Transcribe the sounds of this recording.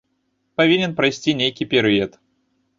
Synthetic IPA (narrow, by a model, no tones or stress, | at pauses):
pɐvʲinʲɪnpɾɐjsʲtʲinʲejkʲijpʲɪɾɪet̪